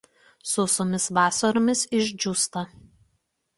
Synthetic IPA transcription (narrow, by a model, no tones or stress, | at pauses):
sʊsoːmʲɪsʋɑːsɐɾoːmʲɪsɪʒʲd͡ʒʲuːst̪ɐ